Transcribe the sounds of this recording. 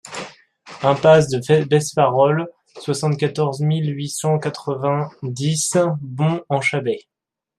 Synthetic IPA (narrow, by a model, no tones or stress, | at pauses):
ɛ̃pas̬d̪əbɛspaʁɔl | swasɑ̃t̪̚kʲat̪ɔʁzmilɥisɑ̃kat̪χəvɛ̃d̪isbɔ̃ɑ̃ʃabɛ